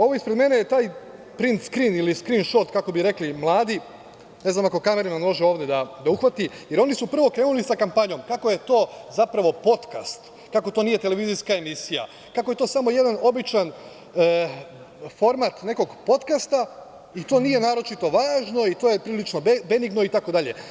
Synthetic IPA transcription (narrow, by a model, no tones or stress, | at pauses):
o̞ʋoispɾed̪me̞nejet̪aːj | pɾint̪skɾiniliskɾinʃo̞t̪kako̞biɾe̞klimlˠaːd̪i | ne̞znamako̞kameɾimanmo̞ʒeo̞ːʋd̪jed̪ad̪auxʋat̪ije̞ɾo̞nisupr̩ʋo̞kɾe̞ːnulisakampaɲo̞mkako̞je̞t̪o̞ːzapɾaʋo̞po̞t̪ka̰st̪ | kako̞t̪o̞nije̞t̪e̞le̞ʋiziskae̞misija̰ | kakoje̞t̪o̞ːsamo̞je̞d̪ano̞bit͡ʃan | fo̞ɾmat̪ne̞ko̞ɡpo̞t̪kast̪a | it̪o̞ːnije̞naːɾo̞t͡ʃit̪o̞ʋaːʒno̞it̪oje̞pɾiːlit͡ʃno̞be̞niɡno̞it̪ako̞d̪aʎe̞̰